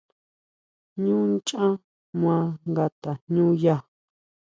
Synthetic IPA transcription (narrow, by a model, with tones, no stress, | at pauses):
ɲũ˦nt͡ʃã˦ | mw̃ã˧ŋɡa˧t̪a˨ɲɲũː˦ja˦˨